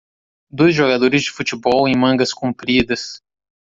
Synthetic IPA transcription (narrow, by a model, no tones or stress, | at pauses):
d̪ojzʒoɡad̪oɾɪzd͡ʒɪfut͡ʃibɔwẽj̃mɐ̃ɡɐskũmpɾid̪ɐs